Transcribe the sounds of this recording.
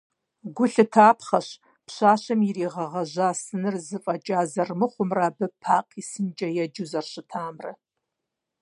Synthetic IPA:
ɡʷʊɬɨtʰaːpʰχaʃ | pʰʃʷaːʃʷamiɾiːʁaʁaʒʷasɨnɨrzɨfʼat͡ʃʼazarmɨχʷʊmraːbɨpʰaqʼʰisɨnt͡ʃʼajad͡ʒuzarʃʷɨtʰaːmra̰

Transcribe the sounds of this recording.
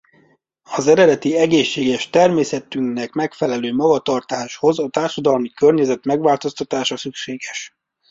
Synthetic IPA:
ɒzɛɾɛd̪ɛt̪iɛɡeːʃːeːɡɛʃt̪ɛrmeːsɛt̪yŋknɛkmɛkfɛlɛløːmɒɡɒt̪ɒrt̪aːʃho̞zɒt̪aːrʃɒd̪ɒlmikørɲɛzɛt̪mɛɡʋaːlt̪o̞st̪ɒt̪aːʃɒsykʃeːɡɛʃ

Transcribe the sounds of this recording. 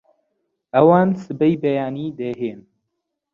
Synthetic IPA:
ɐwaːnsɨbɛjbɛjaːniːd̪eɦeːn

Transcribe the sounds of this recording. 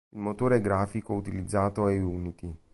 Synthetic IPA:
ilmot̪oːɾeɡɾaːfikout̪ilid̪zːaːt̪oɛuːnit̪i

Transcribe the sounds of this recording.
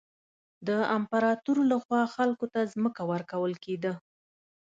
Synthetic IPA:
d̪əampaɾɑt̪uɾolaxwɑxalkot̪azməkawəɾkawəlked̪ə

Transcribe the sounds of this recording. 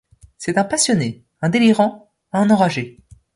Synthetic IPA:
sɛt̪ɛ̃pasjɔne | ɛ̃d̪eliʁɑ̃ | aɛ̃nɑ̃ʁaʒe

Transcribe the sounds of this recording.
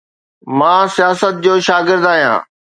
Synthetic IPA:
mãːsijaːsət̪̚d͡ʑoːʃaːɡɪɾd̪aːɦijã̰ː

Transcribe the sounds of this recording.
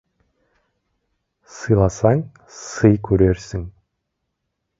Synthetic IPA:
sɯjlˠɑsɑŋ | sɯjkʰɵɾeɾsɪŋ

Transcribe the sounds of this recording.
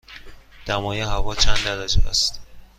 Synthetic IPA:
d̪̥æmɒːjeɦævɒːt͡ʃʰænd̪d̪æɾæd͡ʒuæ̰st̪

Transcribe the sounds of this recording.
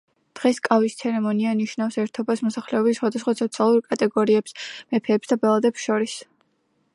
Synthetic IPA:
d̪̥ʁɛskʼavist̪sʰɛɾɛmɔnianiʃnafsɛɾt̪ʰɔbasmɔsaχlɛɔbisːχwad̪asχwasʰɔt̪sʰialˠuɾkʼat̪ʼɛɡɔɾiɛpsmɛpʰɛːpsd̪abɛlˠad̪ɛpsʃɔɾis

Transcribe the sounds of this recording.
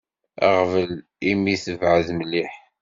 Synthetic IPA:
a̰ʁvəl | imiθəvʕəðməlːiħ

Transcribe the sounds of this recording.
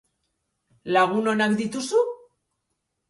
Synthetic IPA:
laɣuno̞nakd̪it̪usu

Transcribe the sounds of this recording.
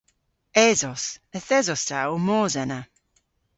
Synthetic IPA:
ɛzɔsəθɛzɔstʰaomɔːzɛna

